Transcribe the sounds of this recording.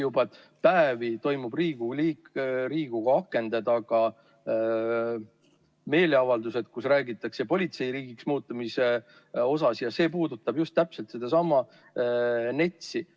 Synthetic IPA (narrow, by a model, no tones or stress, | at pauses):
jubɑt̪ | pæevit̪o̞jmub̥riːɡ̥uliɾiːɡ̥uɡ̥ɑɑkːˑe̞nd̪̥ɑd̪ɑːɡ̥ɑ | me̞ːleɑvɑld̪use̞d̪̥̚kusræːɡit̪ːˑɑkse̞po̞lʲit̪se̞jɾiːɡ̥iksmuːt̪ːˑumise̞ | o̞sɑsjɑse̞ːpuːd̪ut̪ːˑɑbjust̪ːæpselt̪sed̪ɑsɑmɑ | ne̞t̪ʲsi